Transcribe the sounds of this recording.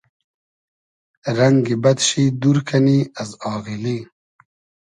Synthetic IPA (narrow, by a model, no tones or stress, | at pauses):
ɾaŋɡibad̪ʃid̪uɾkʰaniazɑːɣili